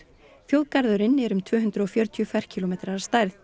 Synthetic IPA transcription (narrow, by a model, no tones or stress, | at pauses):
fjowðkaɾðʏɾɪnːɛɾʏmt̪ʰvœːɦʏnd̪ɾʏɔfjœːɾt̪ʰjʏfajr̥cʰilomeːt̪ɾaḁst̪ajɾθ